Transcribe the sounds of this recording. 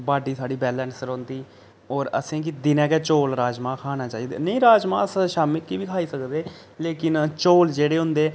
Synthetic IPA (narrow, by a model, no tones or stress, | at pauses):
baːɖiːsaːɖiːbɛːlɛːnsəɾõːnd̪iː | ɔːɾə̰sẽːk̬ɪd̪ɪnɛ̃ːkɛːt͡ʃoːlɾaːd͡ʒmãːkʰaːnaːt͡ʃaːiːd̪ḛːnəĩːɾaːd͡ʒmã̰ːəsʃaːmɪlkiːbiːkʰaːiːsəkd̪eː | leːkɪnt͡ʃoːld͡ʒeːɽeːɦʊ̃nd̪eː